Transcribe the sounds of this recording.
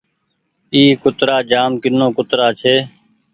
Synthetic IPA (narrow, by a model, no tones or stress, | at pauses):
iːkʊt̪ɾaːd͡ʒaːmkɪnːõːkʊt̪ɾaːt͡ʃʰeː